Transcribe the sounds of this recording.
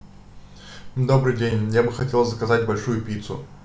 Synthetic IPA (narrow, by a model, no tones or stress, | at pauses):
d̪o̞bɾɨjdʲenʲjabɨxɐtʲe̞lˠzəkɐzatʲbɐlʲʂujʊpʲit̪sʊ̰